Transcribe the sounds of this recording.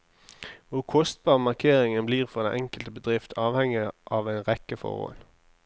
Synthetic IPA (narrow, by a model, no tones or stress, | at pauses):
ʋʊʁkʰɔst̪̚b̥ɑːʁmɑʁkʰeːʁɪŋənbliːʁfɔd̪ɛ̰nʔɛŋkəlt̪əbəd̪ʁɪft̪ʰɑːʋhɛŋɪʔɑʋæɪnʁɛkəfɔ̰ʁɔ̰ːl